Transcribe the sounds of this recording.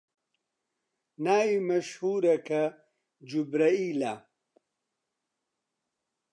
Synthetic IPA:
naːimɐʃhuːɾɐkʰɐ | d͡ʒubɾɐiːlaː

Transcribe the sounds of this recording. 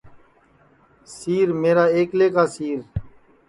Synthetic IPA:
siːɾmeːɾaːeːkleːkaːsiːɾ

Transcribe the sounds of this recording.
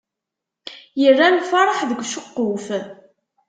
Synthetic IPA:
jərːamfɑɾˤəħðəɡʷʃʊqːʊf

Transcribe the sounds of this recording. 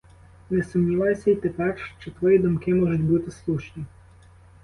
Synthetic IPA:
nɛsʊmnʲiʋajsʲɛit̪ɛparʃt͡ʃɛt̪ʋɔjid̪ɔmkɪmɔʒɔt̪ʲbut̪ɪslˠuʃnʲi

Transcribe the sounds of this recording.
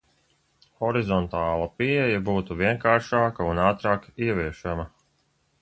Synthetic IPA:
xɔɾizɔnt̪aːlˠɐpiɛjabuːt̪uviɛŋkaːɾʃaːkaunaːt̪ɾaːkiɛʋiɛʃamɐ

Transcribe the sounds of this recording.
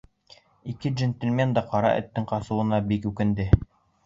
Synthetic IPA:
ikɘʒɘ̆nt̪ʲɘ̆lʲmʲend̪ɑqɑɾɑ̰ʔɘ̰̆t̪ːɘŋqɑsɤ̆wˠɤ̆nɑbikʉkɘ̆nd̪ɘ

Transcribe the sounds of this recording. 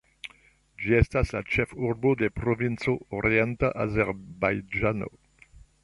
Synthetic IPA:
d͡ʒiɛst̪asat͡ʃɛfurbod̪epɾovinsooʁjɛ̃nt̪aʔazɛʁbajd͡ʒano̰

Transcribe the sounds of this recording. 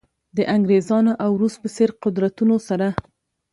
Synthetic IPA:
d̪əʔaŋɡɾezɑnaʔawɾust̪̚pəseɾqʊd̪ɾat̪unosaɾa

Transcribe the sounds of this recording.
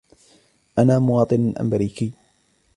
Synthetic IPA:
ʔanaːmʊwɑːt̪ˤɨnʔa̰mɾiːkiː

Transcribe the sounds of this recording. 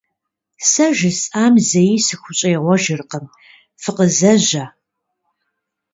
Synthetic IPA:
sɐʒɪsʼaːmzɐjisɨxʷʊɕʼɐːʁʷɔʒɪrqəm | fɨqəzɐʑɐ

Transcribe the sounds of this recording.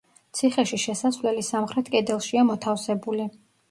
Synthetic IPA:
t̪sʰiχɛʃiʃɛsasvlɛlisamχɾɛt̪ʰkʼɛd̪ɛlˠʃiamɔt̪ʰafsɛbuli

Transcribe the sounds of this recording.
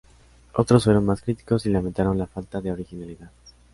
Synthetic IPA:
o̞t̪ɾo̞sfwe̞ɾo̞nmaskɾit̪i̥ko̞silament̪aɾo̞nlafalt̪aðe̞o̞ɾixinaliðað

